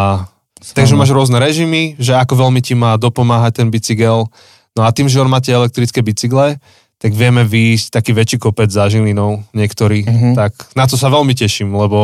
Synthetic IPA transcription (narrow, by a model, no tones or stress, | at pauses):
a | t̪aɡʒɛmaːʒɾʊɔznɛɾɛʒimiʒɛakɔʋɛlmicimaːd̪ɔpɔmaːɦac̚t̪ɛnbit͡siɡɛl | nɔat̪iːmʒɛɔnmaːcɛɛlɛk̚t̪ɾit͡skɛbit͡siɡlɛ | t̪aɡʋɪɛmɛʋiːsc̚t̪akiːʋɛt͡ʃiːkɔpɛd͡zzaʒilinɔʊɲɪɛkt̪ɔɾiːt̪aknat̪ɔsaʋɛlmicɛʃimlɛbɔ